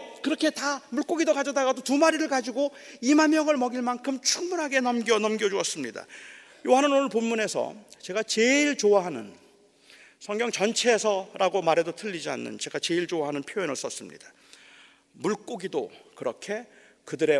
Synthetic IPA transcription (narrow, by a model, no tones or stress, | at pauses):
kɯɾʌkʰe̞tamuɭk͈oɡidokad͡ʑʌdaɡadotumaɾiɾɯɭkad͡ʑiɡoimanmjʌŋɯɭmʌɡiɭmankʰɯmt͡ɕʰuŋmunɦaɡe̞nʌmɡʌnʌmɡjʌd͡ʑuʌs͈ɯmɲida̰ | joɦanɯnonɯɭponːune̞sʰʌ̰t͡ɕe̞ɡat͡ɕeiɭt͡ɕoaɦanɯ̰n | sʰʌŋɡjʌŋt͡ɕʌnt͡ɕʰe̞sʰʌɾaɡomaɾɦe̞dotʰɯʎːid͡ʑia̰nːɯ̰nt͡ɕe̞ɡat͡ɕe̞iɭt͡ɕowaɦanɯnpʰjojʌnɯɭs͈ʌs͈ɯmɲḭd̥ḁ | muɭk͈oɡidokɯɾʌkʰe̞ | kɯdɯɾe̞